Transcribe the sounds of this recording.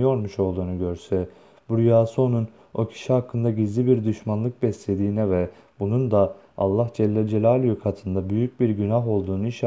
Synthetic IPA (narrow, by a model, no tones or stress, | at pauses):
jo̞ɾmuʃo̞lˠd̪uːnuɟøɾsɛ | buɾyjaːsuo̞nun | o̞cʰi̥ʃihakʰːɯnd̪aɟizlʲibiɾd̪yʃmanlˠɯk̚bɛslʲe̞d̪iːnɛvɛ | bunund̪a̰ː | lˠːahd͡ʒɛlʲːɛd͡ʒelʲaːlʲjykʰat̪ʰɯnd̪abyjyc̚biɾɟynaɦo̞lˠd̪uːnuiʃ